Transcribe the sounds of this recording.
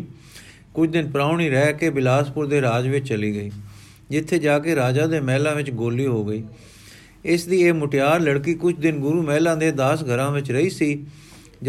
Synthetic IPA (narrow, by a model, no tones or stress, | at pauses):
kʊt͡ʃʰd̪ɪnpəɾaːʊɳiːɾɛːkeːbɪlaːspʊɾd̪eːɾaːd͡ʒʋɪt͡ʃt͡ʃəliːɡəiː | d͡ʒɪt̪ʰːeːd͡ʒaːkeːɾaːd͡ʒaːd̪eːmɛːlãːʋɪt͡ʃɡoːlːiːɦoːɡəiː | ɪsd̪iːeːmʊʈɪjaːɾləɽkiːkʊt͡ʃʰd̪ɪnɡʊɾuːmɛːlãːd̪eːd̪aːsɡʱəɾãːʋɪt͡ʃɾəiːsiː